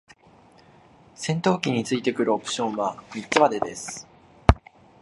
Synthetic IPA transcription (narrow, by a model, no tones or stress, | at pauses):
sẽ̞nt̪o̞ːkʲiɲ̟ːit͡sɨit̪e̞kɯ̟ɾɯ̟o̞pɯ̟̥ɕõ̞ɰ̃βamʲitt͡sɨβad̪e̞d̪e̞sɨ̥